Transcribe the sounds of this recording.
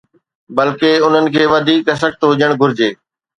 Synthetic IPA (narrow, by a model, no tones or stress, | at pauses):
bɐlkeʊn̤ənɪ̆kʰeːʋɐd̪ʱiːkɐs̬ək̚ʰt̪ɦʊd͡ʑəɽ̃ɡʱʊɾɪd͡ʑeː